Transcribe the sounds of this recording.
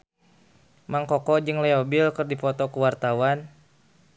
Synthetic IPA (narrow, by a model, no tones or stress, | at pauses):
maŋkɔkɔd͡ʒɨŋlɛɔbilkɨrdipɔt̪ɔkuwart̪awan